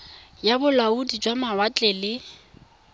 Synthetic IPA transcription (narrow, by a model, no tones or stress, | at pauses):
jabʊlaudid͡ʒwamawat͡ɬʼɛlɪ